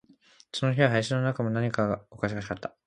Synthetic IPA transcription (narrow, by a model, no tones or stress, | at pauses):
so̞no̞çiβaɦaiɕ̬ino̞nakamo̞naɲ̟ikaɡaokaɕ̬iɡaɕikat̪ːḁ